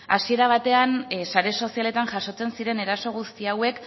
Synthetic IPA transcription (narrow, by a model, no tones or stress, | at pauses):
asie̞ɾaβ̞at̪e̞ansaɾe̞so̞siale̞t̪anʝaʃo̞t͡se̞nsiɾe̞ne̞ɾaso̞ɣ̞ust̪iawe̞k